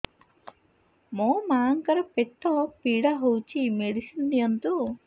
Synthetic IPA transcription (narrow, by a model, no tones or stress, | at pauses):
moːmaːŋkɐɾɐpeʈːopiːɽaːɦowt͡ʃimeɽisind̪iɐnt̪u